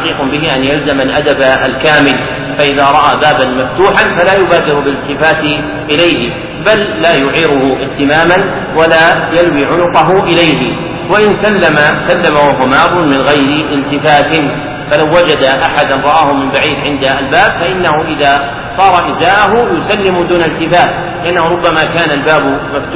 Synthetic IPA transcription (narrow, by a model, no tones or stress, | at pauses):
qiːqʊbɪɦɪʔanjalzamalʔad̪abaalkaːmɪl | faʔɪðaːɾˤɑʔaːbaːbanmaft̪uːħanfalaːjʊbaːd̪ɪɾʊbɪlɪlt̪ɪfaːt̪ɪ | ʔɪlajɦɪ | balːaːjʊʕiːɾʊhʊʔɪʔt̪ɪmaːman | walaːjalwiːʕʊnʊqɑɦʊʔɪlajɦɪ | waʔɪnsalːamasalːamawaɦwamaːb̪ˤʊnmɪnɣajɾɪʔɪlt̪ɪfaːt̪ɪn | falawːad͡ʒad̪aʔaħad̪anɾˤɑʔaːhʊmɪmbaʕiːd̪ʕɪnd̪aːlbaːbfaʔɪnːahʊʔɪðaː | sˤɑːɾˤɑʔɪzaːʔaɦʊjʊsalːɪmd̪uːnalt̪ɪfaːt̪ | lɪʔanːahʊɾˤʊbːamakaːnalbaːbmaft̪